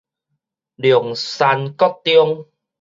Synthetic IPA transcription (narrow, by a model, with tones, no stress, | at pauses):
ljŋsa˧nkɔ˦˥k̚t̪jo˧ŋ